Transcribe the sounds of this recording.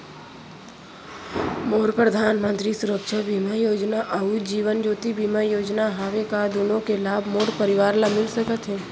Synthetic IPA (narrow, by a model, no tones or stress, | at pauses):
moːɾpɾəd̪ʱaːnmə̃nt̪ɾisʊɾəkʃəbʱiːmajoːd͡ʒnaʔəud͡ʒiːʋənd͡ʒoːt̪ibʱiːmajoːd͡ʒnaɦaːʋekad̪oːnõkelaːbʱmoːɽpəɾɪʋaːɾlamɪlsəkət̪ɦɛ̃ː